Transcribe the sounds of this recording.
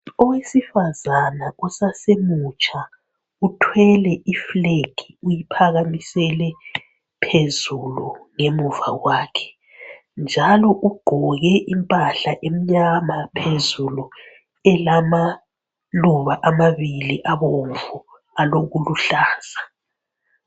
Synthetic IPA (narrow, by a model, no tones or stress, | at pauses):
ɔwesifazanausasemut͡ʃʼa | utʰwɛlɛʔifleɡ̥ʱiujipʰaɣamisɛlɛ | pʰezuluŋemuva̰waːkʰɛ̥ | nd͡ʒʱalɔʔuɡ͡ǃ̥ʱɔɣɛʔimpʼaɬaʔem̩ɲamapʰezulu | ɛlama | luβaʔamaβiliʔaβoɱvu | aloɣuluɬaːz̥a